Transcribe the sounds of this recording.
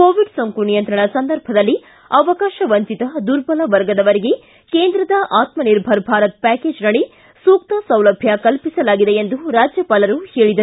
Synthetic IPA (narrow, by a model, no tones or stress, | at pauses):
koːʋiɖsɐŋkunijɐnt̪ɾɐɳɐsɐnd̪ɐɾbʱɐd̪ɐlːi | ɐʋɐkaːʃɐʋɐɲt͡ʃit̪ɐd̪uɾbɐlɐʋɐɾɡɐd̪ɐʋɐɾeɡe | keːnd̪ɾɐd̪ɐʔaːt̪mɐniɾbʱɐɾbʱaːɾɐt̪̚pæːke̞ːd͡ʒnɐɭi | suːk̚t̪ɐsɐwlɐbʱjɐkɐlpisɐlaːɡid̪eend̪uɾaːd͡ʒjɐpaːlɐɾuheːɭid̪ɐ